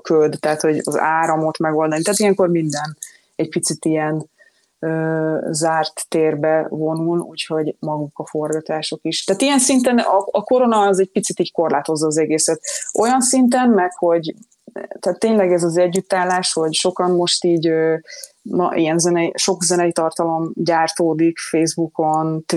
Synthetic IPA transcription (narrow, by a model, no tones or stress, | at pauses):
køld̪t̪ɛːt̪ho̞ɟɒ̰zaːɾɒmo̞t̪mɛɡo̞ld̪ɒnit̪aːt̪ijɛŋko̞rmind̪ɛn | ɛɟpit̪sit̪ijɛn | øːzaːrt̪ːeːrbɛvo̞nulṵːcho̞ɟmɒɡukɒfo̞rɡɒt̪aːʃo̞kiʃt̪aːt̪ijɛnsint̪ɛnɒɒko̞ɾo̞nɒːzɛɟ̚pit̪sit̪iːɟko̞rlaːt̪o̞zːɒːzɛɡeːsɛt̪o̞jɒnsint̪̬ɛmmɛkho̞ɟ | t̪aːt̪ːeːɲlɛɡɛzɒzɛɟːyt̪ːaːlːaːʃho̞ɟʃo̞kɒnmo̞ʃt̪iːɟø | mɒ̰ʔḭjɛnzɛnɛʃo̞kzɛnɛjit̪ɒrt̪ɒlo̞mɟaːrt̪oːd̪ikfeːzbuko̞nt̪